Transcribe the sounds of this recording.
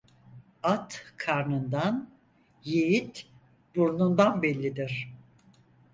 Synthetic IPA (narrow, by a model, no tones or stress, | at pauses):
at̪kʰaɾnɯnd̪an | jejit̪ | buɾnund̪anbɛlʲːid̪iɾ̥